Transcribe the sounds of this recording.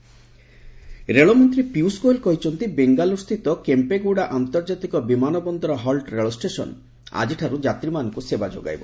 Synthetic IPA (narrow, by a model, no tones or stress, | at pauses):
ɾeɭɔmɔnt̪ɾipiuskolkɔɦit͡ʃʰɔnt̪ibeŋɡalust̪ʰit̪ɔkempeɡuɽaʔant̪ɔɾd͡ʒat̪ikɔbimanɔbɔnd̪ɔɾɔɦɔlʈɾeɭɔsʈesɔ̰n | a̰d͡ʒiʈʰaɾud͡ʒat̪ɾimanɔŋkusebad͡ʒo̰ɡa̰jbɔ̰